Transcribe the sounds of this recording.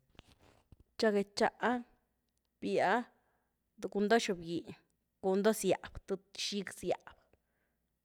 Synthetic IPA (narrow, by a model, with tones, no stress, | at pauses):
t͡ʃa˧ɡe˨t͡ʃa˧ʔa˦ | b̥ja˦ | d̪u˨ku˧nd̪o˦ʃu˧˨bji˨ | ku˨nd̪o˦sja̰˨b̥t̪u˧ʃi˦ɡsja̰˨b